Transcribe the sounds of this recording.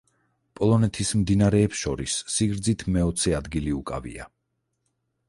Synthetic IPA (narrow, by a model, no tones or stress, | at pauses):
pʼɔlˠɔnɛt̪ʰismd̪inaɾɛːpsʃɔɾisːiɡɾd̪zit̪ʰmɛɔt̪sʰɛad̪ɡiliukʼa̰vḭa̰